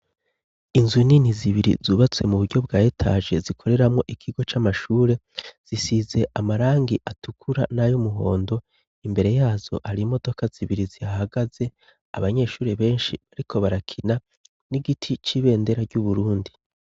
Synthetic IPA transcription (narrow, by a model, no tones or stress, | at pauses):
inzuniniziβiɾḭzuːβat͡swe̞muβuɾɟo̞bɡaːjetʰa̰ʒe̞zikʰo̞ɾe̞ɾamŋo̞ʔikʰiɡo̞t͡ʃamaʃuːɾe̞z̥isize̞ʔamaɾaːŋɡiʔatukʰuɾanajumuɦo̞̰ːndo̞ | imbe̞ɾe̞jaːz̥o̞̰haɾimo̞do̞kaz̥iβiɾiziahaɡaze̞ | a̰βaɲe̞ːʃuːɾeβe̞ːnʃiβaɾikʰo̞βaɾakʰina | niɡitʰit͡ʃiβe̞ːnde̞ɾaɾɟuβuɾuːndi